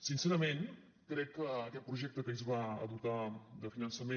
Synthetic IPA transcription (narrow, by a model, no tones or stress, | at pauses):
sinsɛɾəmen | kɾɛkːəːkɛt̪̚pɾuʒɛk̚t̪əkəizβaə̰ðut̪ad̪əfinənsəme